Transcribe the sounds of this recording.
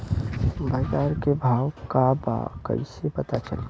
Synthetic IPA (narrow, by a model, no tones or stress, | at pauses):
bʱəd͡ʒaːɾkebʱawkaba̰kə̰isepət̪at͡ʃə̰l